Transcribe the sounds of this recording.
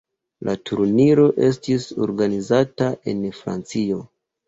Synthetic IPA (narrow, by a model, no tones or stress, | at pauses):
lʔatuɾniɾo̞ʔe̞stiso̞̰ɾɡanizataʔe̞nfɾa̰nt͡sio̞